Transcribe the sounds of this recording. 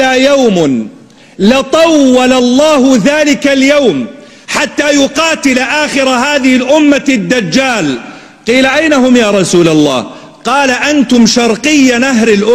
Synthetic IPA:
aːjawmn | lɪt̪ˤɑwːɑlɑlˤːɑːhʊðaːlɪkaljawm | ħat̪ːaːjʊqɑːt̪ɪlaʔaːxɪɾaɦaːðɪhɪlʔʊmːad̪ːad͡ʒːaːl | qiːlaʔajnaɦʊmjaːɾˤɑsuːlalˤːɑ̰ːh | qɑːlaʔant̪ʊmʃɑɾˤqɨjːanaɦɾɪlʔʊ

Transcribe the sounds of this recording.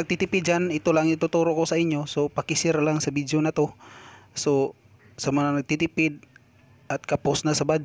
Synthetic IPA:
ɐɡ̚t̪it̪ɪpɪd̪̚d͡ʒanɪt̪olaŋɪt̪ʊt̪uɾoʔkosɐʔɪɲjo̞so̞pɐkɪsɪɾlaŋsɐbid̪jonɐt̪oso | sɐmɐŋanɐɡ̚t̪it̪ɪpɪd̪̚ | ʔɐt̪̚kɐposnɐsɐbad

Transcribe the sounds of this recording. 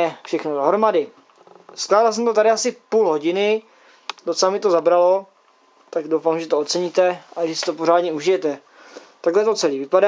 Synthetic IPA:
ɛfʃɛxnodoɦɾomadɪ | sklaːdals̬ɛmt̪ot̪aɾɪasɪpuːlɦoɟɪnɪ | d̥ot͡sɛlamɪt̪o̞zabɾalo̞ | t̪aɡdowfamʒɛt̪oott͡sɛɲit̪ɛʔaʒɛsɪ̥t̪opoɾaːdɲɛuʒɪjɛt̪ɛ | t̪aɡlɛt̪o̞t͡sɛliːvɪpada

